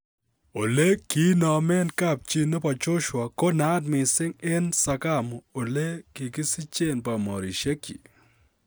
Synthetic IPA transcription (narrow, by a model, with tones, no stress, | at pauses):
o˨le˦ki˦nɔ˨mɪ˦nka˦˨p̚t͡ʃi˦no˦pa˨t͡ʃʊ˦ʃwa˨ko˦na˦dmɪ˨sɪ˦ŋɪ˦nsa˨ka˦m˨o˨le˦ki˨kɪ˦si˦t͡ʃe˦˨npa˨mɔ˨ɾi˨ʃe˦kḭ˨